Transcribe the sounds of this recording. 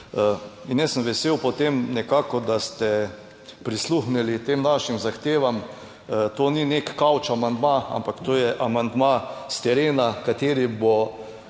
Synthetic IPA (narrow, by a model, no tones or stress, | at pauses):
injɛsəmʋɛseːwpɔt̪emnɛkaːkɔd̪ast̪ɛ | pɾisluxnilit̪eːmnaʃimzaxt̪eːʋam | t̪oninekːawt͡ʃamand̪maa̰mpakt̪oːjɛʔamand̪mast̪ɛɾeːnakat̪eːɾibo